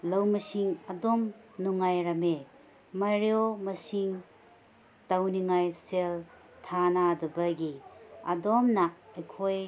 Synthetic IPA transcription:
lɐwmɐsiŋadɔm | nuŋajɾɐme | maɾijomɐsiŋ | tawniŋajsel | tʰanadɐbɐɡiadɔmnaːjkʰoj

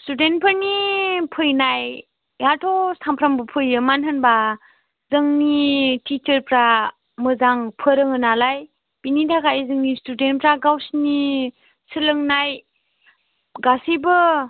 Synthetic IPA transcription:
studentpʰɯnipʰɯjnaj | jatʰɔsampʰɾambɯpʰɯjɯmanɦɯnba | zɯŋnitit͡ʃəɾpɾa | mɯzaŋpʰɯɾɯŋɯnalaj | b̥initʰakaizɯŋnistudenpɾaɡawsni | sɯlɯŋnaj | ɡasibɯ

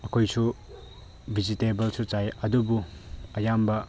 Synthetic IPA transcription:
ɐkʰojsu | bʱizitebɐlsut͡ʃajɐdubuɐjambɐ

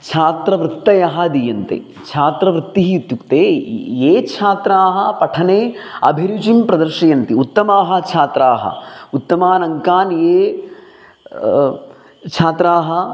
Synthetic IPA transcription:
t͡ʃʰaːt̪ɾɐʋɾɨt̪ːɐjɐɦɐd̪ijɐnt̪ḛː | t͡ʃʰaːt̪ɾɐʋɾɨt̪ːiɦiut̪jukt̪eːeːt͡ʃʰaːt̪ɾaːɦɐ̆pɐʈʰɐneːɐ̰bʱiɾut͡ʃimpɾɐd̪ɐɾʂijɐnt̪iut̪ːɐmaːɦɐt͡ʃʰaːt̪ɾaːɦɐ̰ut̪ːɐmaːnɐŋkaːnjeː | t͡ʃʰaːt̪ɾaːɦɐ

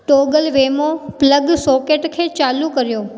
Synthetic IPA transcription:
ʈoɡəlʋemopləɡsokeʈkʰet͡ʃalũkəɾjoː

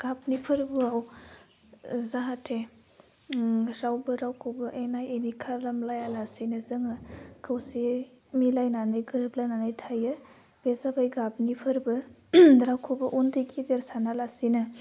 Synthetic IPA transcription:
ɡ̥ap̚nipʰɯɾbɯaw | zaɦatʰe | ɾawbɯɾawkʰobɯʔejnajenikʰaɾɾamlajalasinɯzɯŋɯkʰɯwsi | milajnanɯjɡɯɾɯp̚lajnanajtʰajɯ | b̥ezabajɡap̚nipʰɯɾbɯdɾawkʰobɐʔundɯjkʰideɾsanalasinɯ

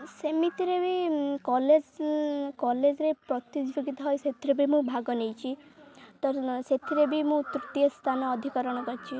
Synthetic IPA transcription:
semit̪iɾebikɔled͡ʒkɔled͡ʒɾepɾɔt̪id͡ʒboɡit̪ɔɦɔjset̪ʰiɾebʱimũbʱaɡɔnejt͡ʃʰit̪ɔɾset̪ʰiɾebʱimũt̪ɾut̪ijɔst̪ʰanɔːd̪ʱikɔɾɔɽ̃ɔkɔɾt͡ʃʰi

